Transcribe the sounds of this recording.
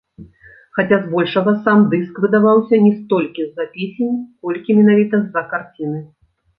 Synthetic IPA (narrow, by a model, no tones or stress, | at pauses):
xat͡sʲazbɔlʲʂɐɣɐsamd̪ɨskvɨd̪avawsʲɐnʲɛst̪ɔlʲkʲizɐpʲesʲenʲkɔlʲkʲimʲɛnavʲit̪ɐzɐkart͡sʲinɨ